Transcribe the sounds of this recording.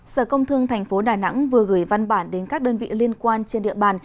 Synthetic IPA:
səː˧˩kə˧wŋ͡mt̪ʰɨ˧əŋt̪ʰɛ˨˩jŋ̟fo˨˦ɗaː˨˩na̰˧˥ŋvɨ˨˩əɣɨː˧˩jva˧nɓaː˧˩nɗe˨˦nkaː˦˥k̚ɗəː˧nvḭ˧˨li˧ənkwaː˧nt͡ɕe˧nɗḭ˧˨əɓaː˧˩n

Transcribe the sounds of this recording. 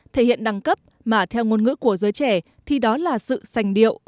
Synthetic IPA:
t̪ʰe˧˩hḭ˧˨ənɗa˧˩ŋkə˦˥p̚ | maː˨˩t̪ʰɛ˧wŋo˧nŋɨ̰˧˥ku˧˩əzəː˨˦jt͡ɕɛ˧˩ | t̪ʰi˨˩ɗɔ˨˦laː˨˩sɨ̰˧˨sa˨˩jŋ̟ɗḭ˧˨əwʔ

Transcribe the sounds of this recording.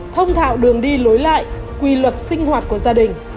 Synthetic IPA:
t̪ʰə˧wŋ͡mt̪ʰa̰ː˧˨wɗɨ˨˩əŋɗi˧lo˨˦jla̰ː˧˨j | kwi˧lwə˨˩t̚sï˧ŋ̟hwaː˨˩t̚ku˧˩əzaː˧ɗï˨˩ŋ̟

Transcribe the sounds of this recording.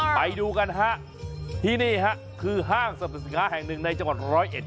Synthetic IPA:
pa˧jduː˧ka˧nɦa˦˥ʔ | t̪ʰiː˥˩niː˥˩ka˦˥ʔkʰɯː˧ɦaː˥˩ŋsa˧˩pa˨˩skaː˦˥ɦɛː˨˩ŋnɯ˨˩ŋna˧jt͡ɕa˧ŋwa˨˩t̪̚ɾɔː˦˥jʔe˨˩t̪̚

